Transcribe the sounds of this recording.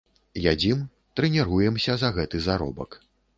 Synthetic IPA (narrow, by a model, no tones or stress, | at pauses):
jad͡zʲim | t̪ɾɛnʲɛɾujɛmsʲɐzɐɣɛt̪ɨzaɾɔ̰bɐ̰k